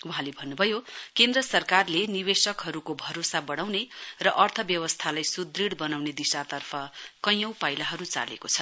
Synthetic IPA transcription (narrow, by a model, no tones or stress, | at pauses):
wuɦãlebʱʌnːubʱʌjokend̪rʌsʌrkarlenibesʌkɦʌɾukobʱʌɾosabʌɽ̃awnerʌʔʌrt̪ʰʌbjʌwʌst̪ʰalajsud̪riɽbʌnawned̪isat̪ʌrpʰʌkʌj̃ʌ̃w̃pajlaɦʌɾut͡sa̰lḛkot͡sʰʌ